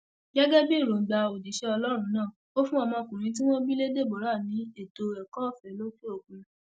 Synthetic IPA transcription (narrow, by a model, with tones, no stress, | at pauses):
ɡɛ˦ɡɛ˦bĩ˦˨ɾo˨ɡ͡ba˧o˨di˨˦ʃɛ˦ɔ˧lɔ˦ɾ̃ũ˧˦nãː˦˨ | o˦fũ˦ɔ˧mɔ̃˧kũ˨ɾ̃ĩ˧˦t̬i˦w̃ɔ̃˦bi˦le˦de˦˨bɔ˨˦ɾa˦˨nĩ˨˦e˦˨to˧ɛ˨kɔ̃˦˨fɛ˨˦lo˦ke˦o˦˨kũ˧